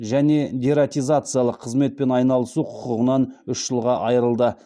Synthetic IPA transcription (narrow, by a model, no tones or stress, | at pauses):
ʒæne̞d̪ʲiɾat̪ijzat̪sɨjalˠəqʰːəzme̞t̪̚pe̞nɑjnɑlˠəsuqʰʊ̥qəʁənɑnʏʃʒ̥əlˠʁɑʔɑjəɾəlˠd̪ə